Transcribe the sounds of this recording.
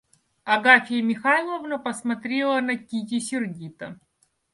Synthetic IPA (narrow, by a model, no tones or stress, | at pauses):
ɐɡafʲɪjəmʲɪxailˠəvnəpəsmɐt̪ɾʲelˠənɐkʲit̪ʲɪsʲɪrɡʲit̪ə